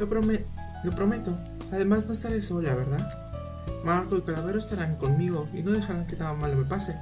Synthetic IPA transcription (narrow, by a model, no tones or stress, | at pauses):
lopɾom | lo̞pɾo̞me̞t̪o | aðe̞mazno̞e̞st̪aɾeso̞ʎaβe̞ɾða | maɾkolkaðaβe̞ɾoest̪aɾaŋko̞nmiɣo̞ḭno̞ðe̞xaɾaŋket̪aɣamalːomepase̞